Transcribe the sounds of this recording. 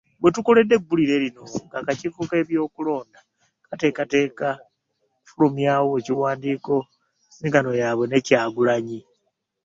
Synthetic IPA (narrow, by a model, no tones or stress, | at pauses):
bwe̞tuko̞le̞dːe̞ɡuliɾe̞ɾino̞ŋɡakacivuke̞ːβjo̞ːkulo̞ːnda | kate̞kate̞ːka | fulumjaːwoeciwaːndiːko̞ | miŋɡano̞jaβwe̞ne̞caːɡulaɲi